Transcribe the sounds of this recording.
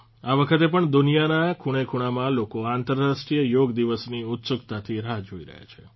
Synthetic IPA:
aʋəkʰət̪epəɳd̪unijanakʰuɽ̃ekʰuɽ̃amãlokoant̪əɾːaʃʈɾijəjoɡd̪iʋəsniʊt̪sʊkt̪at̪ʰiɾaɦd͡ʒoiɾə̰ɦja̰t͡ʃʰe

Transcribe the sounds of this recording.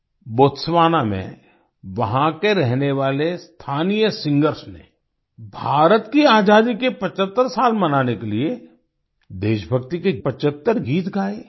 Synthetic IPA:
boːt̪sʋaːnamḛ̃ | ʋɐɦãkeɾɛɦneʋaːlest̪ʰaːnijəsɪ̃ŋɡəɾsnḛ | bʱaːɾət̪kiaːd͡ʒaːd̪ikepət͡ʃət̪ːəɾsaːlmɐnaːnekelie | d̪eːʃbʱəɡt̪ikepət͡ʃət̪ːəɾɡiːt̪ɡʱaːe

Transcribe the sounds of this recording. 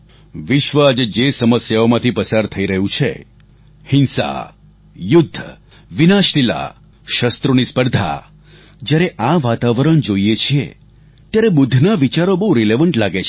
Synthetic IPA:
ʋɪʃʋəad͡ʒed͡ʒesəməsjaomãt̪ʰipəsaɾt̪ʰəiɾəɦũt͡ʃʰḛ | hɪnsa̰ | jʊd̪ʱː | ʋinaʃnila̰ | ʃəst̪ɾonispəɾd̪ʱa̰ | d͡ʒjaɾeʔaʋat̪aʋəɾəɳd͡ʒoiet͡ʃʰiḛ | t̪jaɾebʊd̪ʱːnaʋit͡ʃaɾobəɦũɾileʋəɳʈlaɡet͡ʃʰ

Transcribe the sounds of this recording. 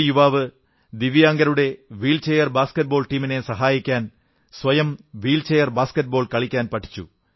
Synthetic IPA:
juʋaːʋɨ | d̪iʋjaːŋɡɐɾuɽe̞ʋiːlt͡ɕejɐrbaːskɐʈ̚bo̞ːlʈiːmine̞sɐɦaːjikʲːaːn | sʋɐjɐmʋiːlt͡ɕejɐrbaːskɐʈ̚boːɭkɐɭikʲːaːnpɐʈʰːi̥t͡ɕːṵ

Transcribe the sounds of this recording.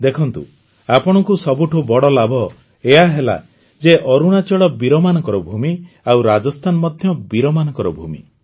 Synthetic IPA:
d̪ekʰɔnt̪ṵ | apɔɽ̃ɔkusɔbuʈʰubɔɽɔlabʱɔ | eɦaɦela̰ | d͡ʒeʔɔɾuɽ̃at͡ʃɔɭɔbiɾɔmanɔkɔɾɔbʱumi | awɾad͡ʒɔst̪ʰanɔmɔd̪ʱjɔbiɾɔmanɔkɔɾɔbʱumḭ

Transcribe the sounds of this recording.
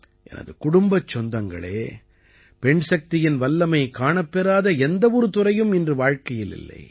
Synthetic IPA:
ʔɛ̰nʔɐ̰ðɯkʊɽʊmbɐt͡ʃːɔnd̪ɐŋɡɐ̰ɭeː | pɛɳsɐk̚t̪ɪjɪnʋɐlːɐmɐɪkaːɳɐpːɛɾaːðɐɛnd̪ɐʋɔɾɯt̪ʊrɐjɯmɪndrɯʋaːɻkɐjɪlɪ̰lːɐ̰ɪ

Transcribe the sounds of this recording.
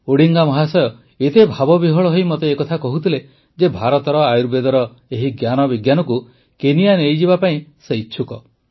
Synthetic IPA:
oɽiŋɡamɔɦasɔjɔ | et̪ebʱabɔbiɦɔɭɔɦojmot̪eːkɔt̪ʰakɔɦut̪ʰile | d͡ʒebʱaɾɔt̪ɔɾɔajuɾbed̪ɔɾɔ | eɦiɡjanɔbiɡjanɔku | kenijanejd͡ʒibapaĩseiːt͡ʃʰukɔ

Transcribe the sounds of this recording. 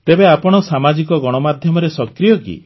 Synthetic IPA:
t̪ebeapɔɽ̃ɔsamad͡ʒikɔɡɔɽ̃ɔmad̪ʱjɔmɔɾesɔkɾijɔkḭ

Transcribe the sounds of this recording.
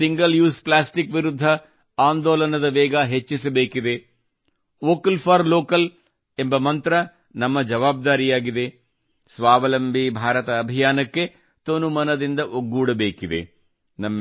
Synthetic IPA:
siŋɡɐljuːsplaːsʈikʋiɾud̪ʱːɐ | aːnd̪oːlɐnɐd̪ɐʋɛːɡɐɦet͡ʃːisɐbeːkid̪e̞ | oːkɐlpʰaːɾloːkɐl | embɐmɐnt̪ɾɐ | nɐmːɐd͡ʒɐʋaːb̚d̪aːɾijaːɡid̪e̞ | sʋaːʋɐlɐmbʱibʱaːɾɐt̪ɐːbʱijaːnɐkːe̞ | t̪onumɐnɐd̪ind̪ɐʔoɡːuːɽɐbeːkid̪ḛ | nɐmː

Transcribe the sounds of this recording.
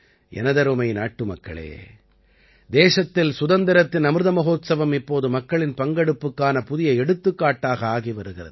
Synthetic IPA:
ʔɛ̰nɐðɐɾɯmɐɪnaːʈːɯmɐkːɐ̰ɭḛː | d̪eːʂɐt̪ːɪlsʊðɐnd̪ɐɾɐt̪ːɪnɐmɯɾɯðɐmɐɣoːt̪sɐʋɐmɪpːoːðɯmɐkːɐɭɪnpɐŋɡɐɽɯpːɯkːaːnɐpʊðɪjɐɛɽɯt̪ːɯkːaːʈːaːɣɐaːɣiʋɐɾɯɣɪrɐ̰ð

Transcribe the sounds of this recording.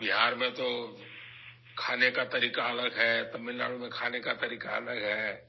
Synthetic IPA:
bɪɦaːɾmẽt̪o | kʰaːnekat̪ɐɾiːkaɐləɡɦɛːt̪ɐmːɪlːa̰ːlomẽkʰaːnekat̪ɐɾiːkaɐ̰ləɡɦɛː

